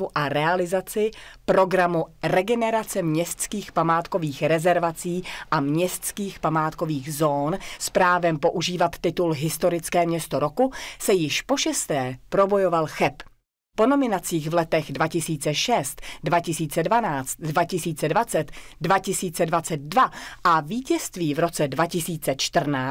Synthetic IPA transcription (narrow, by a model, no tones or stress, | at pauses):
uʔaɾɛalɪzat͡sɪpɾo̞ɡɾamurɛɡɛnɛɾat͡sɛmɲɛst̪t͡skiːxpamaːt̪ko̞viːxɾɛzɛɾvat͡siːʔamɲɛst̪t͡skiːxpamaːt̪ko̞viːxzo̞ːnspɾaːvɛmpo̞ʔuʒiːvat̪ːɪt̪ulɦɪst̪o̞ɾɪt͡skɛːmɲɛst̪oɾo̞kusɛjɪʃpo̞ʃɛst̪ɛːpɾo̞bo̞jo̞valxɛp | po̞no̞mɪnat͡siːɣvlɛt̪ɛɣdvacɪsiːt͡sɛʃɛst̪dvacɪsiːt͡sɛdvanaːt͡st̪̚dvacɪsiːt͡sɛdvat͡sɛt̪dvacɪsiːt͡sɛdvat͡sɛt̪̚dvaʔaviːcɛst̪viːvɾo̞t͡sɛdvacɪsiːt͡sɛt͡ʃt̪r̩naː